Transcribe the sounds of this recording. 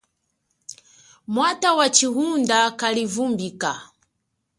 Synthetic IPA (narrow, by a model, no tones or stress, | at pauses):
mwatawat͡ʃiɦundakalivumbika